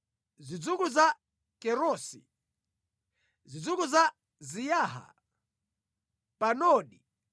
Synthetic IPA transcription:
zid͡zukuza | kɛɾɔsḭ | zid͡zukuza | zijaːɦa̰ | panɔːɗi

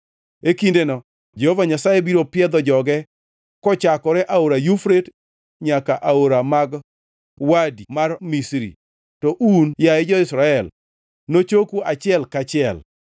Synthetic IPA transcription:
ekindenɔ | d͡ʒehovaɲasajebiɾopɪɛd̪ɔd͡ʒɔɡɛ | kɔt͡ʃakɔɾɛʔaoɾajufɾet | ɲakaʔaoɾamaɡ | wadimarmisɾḭ | tɔʔunjaɛd͡ʒɔɪsɾaɛl | not͡ʃokuat͡ʃɪɛlkat͡ʃɪɛl

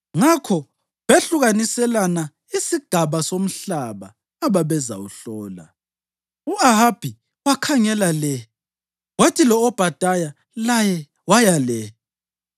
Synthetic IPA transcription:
ŋakʰɔ | βeɬuɣanisɛlana | isiɡ̥ʱaβasom̩ɬaβaː | βaβɛza̰uɬɔːla̰ | uaɦab̥ʱi | wakʰaŋɛlalɛ | watʰilɔːb̥ʱad̥ʱaja | lajɛ | wajalɛ

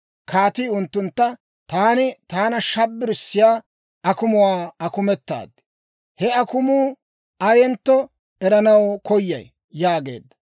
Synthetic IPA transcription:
kʰaːt̪iʊnt̪ːʊnt̪ːɐ | t̪aːnɪt̪aːnɐʃɐbːɪɾɪsːɪjaː | ʔɐkʊmʊwaːɐkʊmɛt̪ːa̰ːd̪ːɪ | hɛɐkʊmuː | ʔɐjɛnt̪ːɔ | ɛɾɐnɐwkʰɔjːɐ̰j | jaːɡḛːd̪ːɐ̥

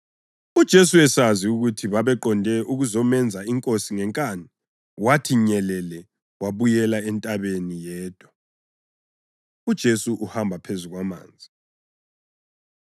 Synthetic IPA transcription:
ud̥ʒ̥ʱesuɛsaziuɣutʰiβaβɛǃɔndʱɛʔuɣuzɔmɛnd͡zʱaiŋkʼosiŋɛŋkʼani | watʰiɲɛlɛlɛ | waβujɛlaɛntʼaβenijɛːd̥ʱwa | ud̥ʒ̥ʱesuʔuhambʱapʰezuɣwama̰ːnd͡zʱi

